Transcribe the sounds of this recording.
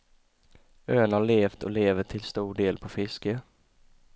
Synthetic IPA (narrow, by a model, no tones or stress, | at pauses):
øːənhɑɭeːft̪ʰɔ̰leːvəʈʰɪlst̪uːɖeːlpʰɔfɪskə